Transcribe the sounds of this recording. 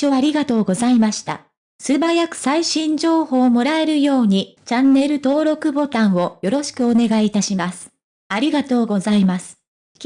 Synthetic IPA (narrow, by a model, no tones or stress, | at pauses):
oaɾʲiɡat̪o̞ːɡo̞zaimaɕi̥t̪a̰ | sɨbajakɯ̟̥saiɕĩɲ̟d͡ʑo̞ːho̞ːmo̞ɾae̞ɾɯ̟jo̞ːɲ̟it͡ɕãnːe̞ɾɯ̟t̪o̞ːɾo̞kɯ̟bo̞t̪ãɰ̃o̞jo̞ɾo̞ɕi̥kɯ̟o̞ne̞ɡait̪aɕimasɨ̥ | aɾʲiɡat̪o̞ːɡo̞zaimasɨ̥ | kʲ